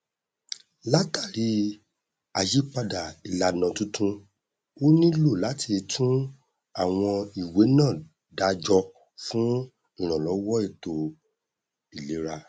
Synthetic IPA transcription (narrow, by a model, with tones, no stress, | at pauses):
la˦ta˦˨ɾi˨˦ | a˨d͡ʒi˨˦k͡pa˧da˨i˨la˧nã˨tũ˦tʰũ˦˧ | o˦nĩ˦lo˦˨la˨˦ti˧tʰũ˦ | a˦˨w̃ɔ̃˧i˨we˨˦nãː˦˨ | da˧d͡ʒɔ˧ | fũ˦ | ĩ˦˨ɾ̃ã˨lɔ˨˦wɔ˦i˦˨to˨ | i˨le˨˦ɾa˧